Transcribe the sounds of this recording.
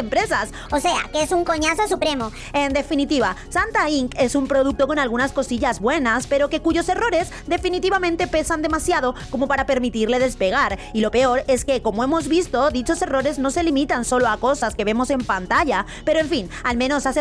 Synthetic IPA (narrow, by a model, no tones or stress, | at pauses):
empɾe̞sas | ose̞a̰keesuŋko̞ɲasos̬upɾe̞mo | e̞nd̪e̞finit̪iβasant̪aiŋke̞sumpɾo̞ð̞uk̚t̪o̞ko̞nalɣ̞unasko̞siʎazβwe̞naspe̞ɾo̞ke̞kuʝo̞se̞ro̞ɾe̞z | d̪e̞finit̪iβamẽnt̪e̞pe̞sand̪e̞masjaðo̞ko̞mopaɾape̞ɾmit̪iɾle̞ðe̞spe̞ɣ̞aɾilo̞pe̞o̞ɾe̞ske̞ko̞moe̞mo̞zβist̪o̞ðit͡ʃo̞se̞ro̞ɾe̞zno̞se̞limit̪anso̞loako̞saske̞βe̞mo̞se̞mpant̪aʝa | pe̞ɾoe̞ɱfin | almẽ̞no̞sase